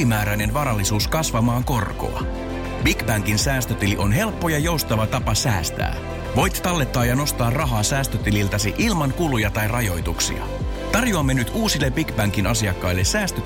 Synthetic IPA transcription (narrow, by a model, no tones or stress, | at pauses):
imæːɾæjne̞nʋɑːɾɑlːisuːskɑsʋɑmɑːŋko̞rko̞̰ɑ̰ | b̥ikbæŋkinsæːst̪øt̪iliʔo̞nɦe̞lpːo̞jɑjo̞wst̪ɑʋɑt̪ɑpɑsæːst̪æ̰ː | ʋo̞jt̪t̪ːɑlːe̞t̪ːɑːjɑno̞st̪ɑːrrɑɦɑːsæːst̪øt̪ililt̪ɑsiʔilmɑŋkulujɑt̪ɑjrɑjo̞jt̪uksḭɑ̰ | t̪ɑrjoɑmːenyt̪uːsilːebikbæŋkinʔɑsiɑkːɑjlːe̞sæːst̪ø